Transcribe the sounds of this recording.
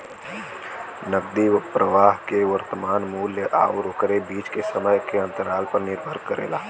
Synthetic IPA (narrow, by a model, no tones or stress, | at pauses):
nəɡ̚d̪ipɾʔəʋaːɦkeʋəɾt̪əmaːnmuːljəʔa̰ːoɾoːkɾebiːt͡ʃkesəməjkeɐ̃nt̪əɾaːlpɐɾnɪɾbʱəɾkəɾḛːlaː